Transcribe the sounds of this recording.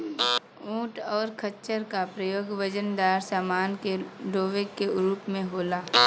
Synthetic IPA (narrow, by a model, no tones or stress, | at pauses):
ũːʈɔːɾkʰəʃəɾkapɾəjoːɡʋəd͡ʒənd̪aːɾsaːmaːnkeɖoːʋekːeɾuːpmẽɦoːlaː